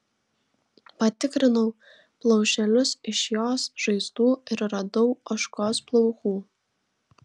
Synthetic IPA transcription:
pɐt̪ʲɪkɾʲɪnɔʊ | plˠɐʊʃʲɛlʲʊsɪʃjoːsʒ̥ɐɪst̪uːɪɾɾɐd̪ɔʊɐʃkoːsplˠɔʊxuː

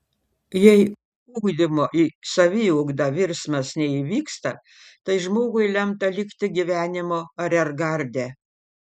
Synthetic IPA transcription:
jɛɪ | uːɡd̪ʲɪmoːʔisɐʋʲɪːʊɡd̪ɐʋʲɪɾʲsmɐsnʲɛiʋʲiːkst̪ɐ | t̪ɐɪʒmoːɡʊɪlʲɛmt̪ɐlʲɪkt̪ʲɪɡʲiʋʲæːnʲɪmoːɐɾʲɛɾɡɐɾʲd̪ʲæː

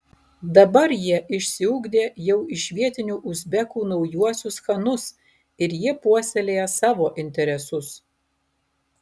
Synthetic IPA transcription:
d̪ɐbɐɾjiɛʔɪʃʲsʲɪʊːɡd̪ʲeːjɛʊɪʃʲʋʲiɛt̪ʲɪnʲuːʔʊzʲbʲɛkuːnɒʊjuɔsʲʊsxɐnʊs | ɪɾjiɛpuɔsʲɛlʲeːjɛsɑːʋoːʔɪnʲt̪ʲɛɾʲɛsʊs

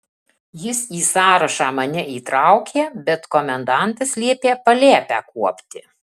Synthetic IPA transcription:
jɪsiːsɑːɾɐʃɑːmɐnʲɛʔiːt̪ɾɑˑʊkʲeːbʲɛt̪koːmʲɛnd̪ɑˑnt̪ɐslʲiɛpʲeːpɐlʲeːpʲæ̰ːkuɔpʲt̪ʲɪ

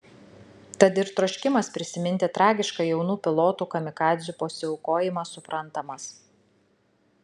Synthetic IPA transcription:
t̪ɐt̪ɪɾt̪ɾɔʃʲkʲɪmɐspʲɾʲɪsʲɪmʲɪnʲt̪ʲeːt̪ɾʔɑːɡʲɪʃkɑjɛʊnuːpʲɪlˠoːt̪uːkɐmʲɪkɑːd̪ʲzʲupoːsʲɪɔʊkoːjɪmɐsʊpɾʔɐnt̪ɐmɐs

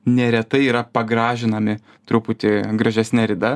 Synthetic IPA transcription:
nʲɛɾʲɛt̪ɐɪiːɾɐpɐɡɾɑːʒʲɪnɐmʲɪ | t̪ɾupʊt̪ʲɪɡɾɐʒʲɛsʲnʲɛɾʲɪd̪ɐ

